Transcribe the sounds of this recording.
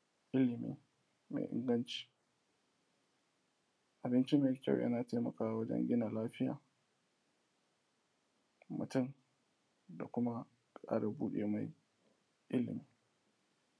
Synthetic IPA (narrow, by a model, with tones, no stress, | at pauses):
ʔɪ˦lɪ˨mḭː˨ | mḛ˨ʔɪ̰˦ŋɡɐ˦nt͡ʃi̥˦ | ʔa˨bɪ˦nt͡ʃi˦meː˨kʲa̰˦˨wjʔa̰˦naː˨ta˦mɐ˨kaː˨˦˨wɐ˦d͡ʒɛ̰˦ŋɡʲɪ˦na˨laː˦ɸɪ˦ja̰ː˨ | mʊ̰˨tʊ˦˨n | da˨kʷʊ˦ma˦ | kʼa̰ː˦ɽɐ˨buː˦ɗḛː˨ma˦j | ʔɪ˦lɪ̰˨mi˨˦